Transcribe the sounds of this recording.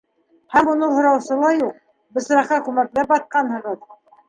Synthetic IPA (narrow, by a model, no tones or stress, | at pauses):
hæmunɤɴɦŏɾɑwsɤ̆lˠɑjuq̚ | bɘ̆sɾɑχɑkʉmæklæpbɑt̪̚qɑnhɤ̆ʁɤð